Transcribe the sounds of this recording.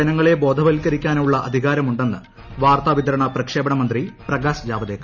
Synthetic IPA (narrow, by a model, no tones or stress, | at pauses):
ɐnɐŋːɐɭe̞bo̞ːd̪ʱɐʋɐlkːɐɾikʲːaːnuɭːɐʔɐd̪ʱiɣaːɾɐmuɳɖenːɨ | ʋaːrt̪aʋid̪ɐɾɐɳɐprɐkʂe̞ːbɐɳɐmɐnd̪riprɐɡaːsd͡ʑaːbɐd̪eːkː